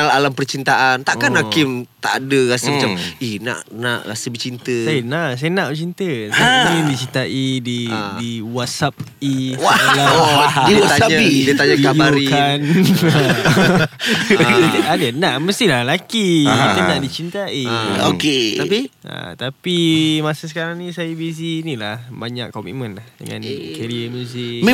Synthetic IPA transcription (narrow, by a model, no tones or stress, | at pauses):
alalampərt͡ʃint̪aʔant̪aʔkanhakɪmt̪a̰ʔadəɾasəmat͡ʃaminã̰ʔnãʔɾa̰səbət͡ʃint̪əsajənaʔs̬ajənãʔət͡ʃint̪əsaidit͡ʃint̪aʔididiwat̪̚sap̚iwaladiaaaɲadiət̪aɲaikabaɾikan | dadanãʔməst̪ilalakia̰danãʔdit͡ʃint̪aio̰ket̪apia̰t̪apimasasəkaɾaŋnĩsajabis̬inĩlahbaɲa̰kːɔmḭt̪̚mə̃nlahdə̰ŋã̰nkaɾiəməũs̬im